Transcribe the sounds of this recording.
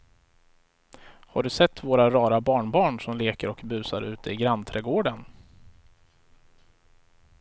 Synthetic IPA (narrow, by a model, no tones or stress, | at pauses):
haɖɵsɛt̪ːvoːɾaɾɑːɾabɑːɳbɑːɳʂɔmleːkəɾɔkbʉ̟ːsa̰ɾʉ̟ːt̪ʰəɪɡɾant̪ʰɾɛːɡoːɖən